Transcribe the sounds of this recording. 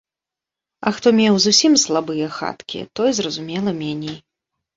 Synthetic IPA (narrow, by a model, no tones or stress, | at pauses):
ɐ̰xt̪ɔmʲɛwzusʲimslˠabɨjɐxa̰t̪kʲḭt̪ɔjzrɐzumʲɛlˠɐmʲɛnʲɛj